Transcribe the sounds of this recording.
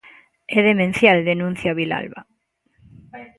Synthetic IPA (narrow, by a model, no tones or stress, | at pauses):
eðemẽn̟θjald̪enũn̟θjaβila̰lβa̰